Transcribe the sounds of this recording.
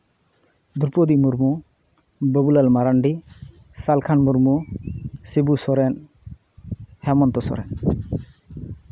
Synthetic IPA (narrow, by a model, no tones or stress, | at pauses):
d̪uɾpod̪imuɾmu | bəbulalmaɾaɳɖi | salkʰanmuɾmu | sibusɔɾɛn | hɛmɔnt̪ɔsɔ̰ɾɛ̰n